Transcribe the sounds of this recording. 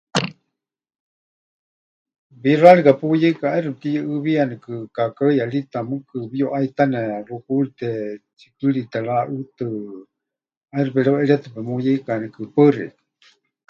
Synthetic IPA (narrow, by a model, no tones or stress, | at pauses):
βiraɾikapujɛikaairup̚t̪iʔɨβianɛkɨkakajalit̪amɨkɨβioʔait̪anɛrukulit̪ɛt͡ʃi̥kɨɺit̪aɺaʔɨt̪ɨ | ajrupɛɺɛwɛɺiat̪ɨpɛmujɛikanɛkɨpəɨrɛ̰̥